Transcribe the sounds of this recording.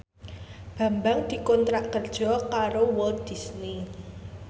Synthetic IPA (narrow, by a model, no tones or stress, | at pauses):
b̥ä̤mbaŋd̪̥i̤kɔnt̪ɾaʔkərd̥ʒ̥ɔ̤kaɾowɔld̪̥i̤sni